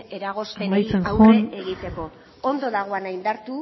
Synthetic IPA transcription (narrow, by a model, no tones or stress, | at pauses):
eɾaɣosaemajt͡senxoneɣit̪eko̞ | ond̪o̞ðaɣ̞o̞anaind̪aɾt̪u